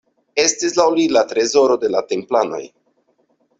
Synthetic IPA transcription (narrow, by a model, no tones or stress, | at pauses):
e̞stislawlilat̪ɾe̞zo̞ɾo̞de̞late̞mplano̞̰j